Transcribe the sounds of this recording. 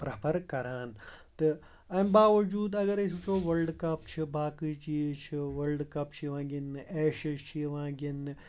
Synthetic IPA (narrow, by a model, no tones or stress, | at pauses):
pɾɐpʰɐɾkɐɾaːnt̪ɨ | ɐmbaːʋɐd͡ʒuːd̪ɐɡɐɾesut͡ʃʰoːʋɐlɖkɐp̚t͡ʃʰibaːkiːt͡ʃiːt͡ʃʰiʋɐlɖkɐp̚t͡ʃʰiʋãːɡinɨeːʃɐt͡ʃʰiʋãːɡinːɨ